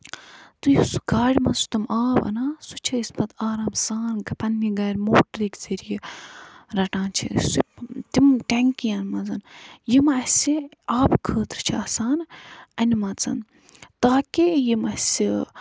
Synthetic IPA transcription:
t̪ujisu̥ɡaːɽʲmɐsu̥t̪ɐmaːbɐ̰naːsut͡ʃʰɐispɐt̪aːɾaːmsaːnɡɐpɐnːiɡɐːɾʲmoːʈɾikzeɾiji | ɾɐʈãːnt͡ʃʰḭsut̪imʈɛŋkijɐnmɐnzɐnjimɐsiaːbkʰəːt̪ɾt͡ʃʰiɐːsaːnɐnimɐt͡sɐ̰n | t̪aːkʲijimɐsi

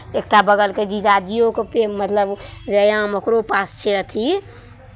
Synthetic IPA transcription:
ek̚ʈabəɡəlked͡ʒiːd͡ʒad͡ʒijokepemmːət̪ləbʋəjãmokɾopaːst͡ʃʰeɾət̪ʰi

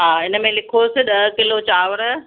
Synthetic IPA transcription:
ɦaːɪnəmẽlɪkʰosɪɗɐɦkɪlot͡ɕaːʋɾə

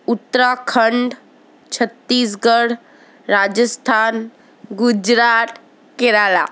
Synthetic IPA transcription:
ut̪ːɾakʰəɳɖ | t͡ʃʰət̪ːiːs̬ɡəɽ | ɾad͡ʒəst̪ʰaːn | ɡud͡ʒɾaːt̪ | keɾaːla̰

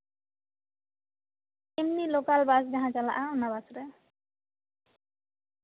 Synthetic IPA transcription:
emnilokalbasd͡ʒaɦãt͡ʃala̰ʔaunabasɾe

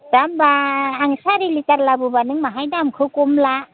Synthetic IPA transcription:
ɾambaːŋsaɾilitaɾlabubanɯŋmaɦajdamkʰɯkɔmla

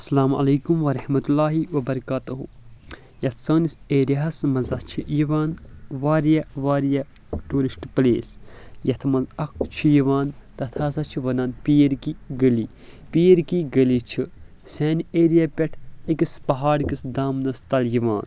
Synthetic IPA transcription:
ɐsɐlaːmɐ̰leːkumʋɐɾɐhmɐt̪ulːaːɦiʋɐbɐɾɐkaːt̪uɦu | jɐt̪ʰsɐːniseːɾjaɦɐsmɐzɐt͡ʃʰijiʋaːnʋaːɾjaʋaːɾja | ʈuːɾisʈplḛːsjɐt̪ʰmɐzɐk̚t͡ʃʰijiʋaːnt̪ɐt̪ʰaːzat͡ʃʰiʋɐnaːnpijɐɾkiɡəli | pijɐɾkiɡɐlit͡ʃʰi | sɛːneːɾjaːpʲɛʈʰikispɐɦaːɽkisd̪aːmnɐst̪ɐljiʋa̰ːn

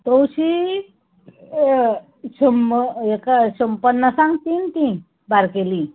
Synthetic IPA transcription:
t̪owɕi | sumekaɕəmpənːəsãŋɡt̪int̪ĩ | baɾkelĩ

